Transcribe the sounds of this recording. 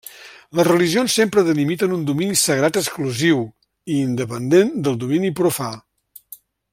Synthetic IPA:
ləzrəliʒionsːempɾəðəlimit̪ənund̪uminisəɣɾat̪əskluziw | iːnd̪əpənd̪end̪əlˠd̪uminipɾufa

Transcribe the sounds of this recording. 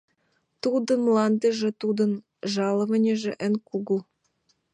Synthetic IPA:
t̪ud̪ɤ̆nlˠɑnd̪ə̆ʒĕt̪ud̪ɤ̆n | ʒɑlɤ̆mɤ̆nʲĕʒĕʔɘ̆nʲkuɡu

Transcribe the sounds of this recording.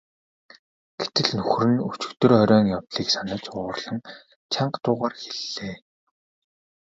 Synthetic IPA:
ɡ̥et̪ɘ̆ɮnɵxrɘ̆nut͡ɕɪ̥̆kt̪ɵ̆rχɔɾʲɔːnjawɮ̥iːksanə̆t͡ɕʊːrɮə̆ŋ | t͡ɕʰaɴɢt̪ʊːʁaːrxeɮːeː

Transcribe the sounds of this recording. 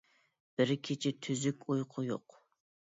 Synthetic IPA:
b̥ɪɾkʲʰet͡ʃʰɪt̪ʰyzykʲujqʰʊjo̰q

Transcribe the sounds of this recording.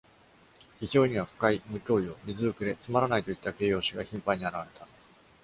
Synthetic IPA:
çiçʲo̞ːɲ̟iβaɸɯ̟̥kaimɯ̟kʲo̞ːio̞mʲizɨɾɯkɯ̟d̪e̞t͡sɨmaɾanait̪o̞it̪ːake̞ːjo̞ːɕiɡaçĩmpaɲ̟iaɾaβaɾe̞t̪a

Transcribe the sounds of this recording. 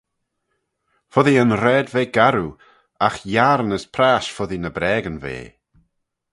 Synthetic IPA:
fɔðiənɾɛːdveːɡaɾu | axjaɾnəspʰɾaːʃfɔðinəbɾɛːɡənvḛː

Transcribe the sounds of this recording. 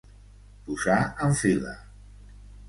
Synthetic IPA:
puzaəɱfilə̰

